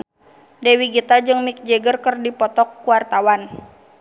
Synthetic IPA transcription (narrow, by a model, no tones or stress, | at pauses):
dɛwiɡit̪ad͡ʒɨŋmik̚d͡ʒɛɡərkərdipɔt̪ɔkːuwart̪awan